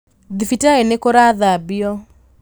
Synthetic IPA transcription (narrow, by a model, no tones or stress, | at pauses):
d̪ifitaenekɔɾaðabɪjɔ